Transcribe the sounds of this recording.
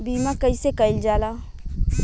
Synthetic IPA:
biːmãkɐisekəɪld͡ʒaːlaː

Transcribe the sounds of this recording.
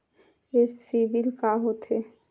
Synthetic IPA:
esibilkaɦot̪ɦe

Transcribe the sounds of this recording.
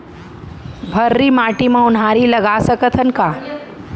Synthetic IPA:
bʱəɾːiːmaʈimãunaɾiːləɡasəkət̪ʰənka

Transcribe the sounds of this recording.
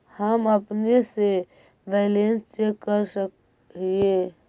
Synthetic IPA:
həməpnese | belenst͡ʃekkəɾsək̚ | ie

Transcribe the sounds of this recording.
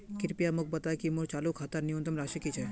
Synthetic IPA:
kiɾpijamuk̚ʰbət̪aekimoɾt͡ɕalokʰat̪aɾnijont̪ɾomɾaʃekit͡ɕʰe

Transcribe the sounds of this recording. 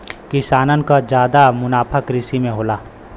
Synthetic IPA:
kɪsaːnənkad͡ʒjaːd̪amʊnaːpʰəkɾɪsimẽɦoːlaː

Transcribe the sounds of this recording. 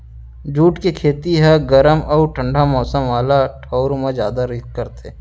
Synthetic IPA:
d͡ʒuːʈkekʰeːt̪iɦɛɡəɾəmɔːɾʈʰə̃ɳɖʱamɔːsəmʋaːlaʈʰɔːɾmẽzjaːd̪aɾɪkkəɾt̪e

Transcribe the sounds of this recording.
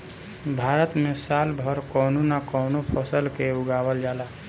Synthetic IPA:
bʱaɾət̪mesalbʱəɾkɔnonakɔːnopʰəsəlkeʊɡawəld͡ʒaːla

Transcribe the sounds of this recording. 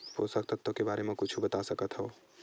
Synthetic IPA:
poːsək̚t̪ət̪ːokebaːɾemẽkʊt͡ʃʰubɐt̪asɐkət̪ɦɛo

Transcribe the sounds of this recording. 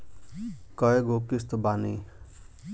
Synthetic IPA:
kʌeɡokist̪obani

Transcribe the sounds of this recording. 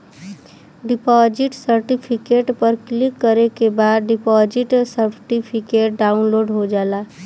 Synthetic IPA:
ɖɪpɔd͡ʒiʈsəɾʈipʰikeːʈpəɾklikːəɾekebaːd̪ɖɪpɔd͡ʒiʈsəɾʈipʰikeːʈ̚ɖaːunloːɖɦod͡ʒaːlaː

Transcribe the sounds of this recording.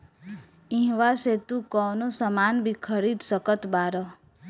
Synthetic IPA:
ĩɦʋaset̪ũkɔːnosəmanbʱikʰəɾid̪səkət̪baːɾə

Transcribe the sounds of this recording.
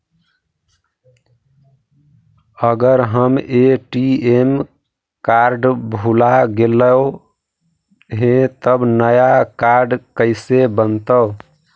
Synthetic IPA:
əɡəɾɦəmeʈiem | kaɾɖbʱulaɡeləw | ɦẽt̪əbnəjakaɾɖkəɪsebənt̪ə

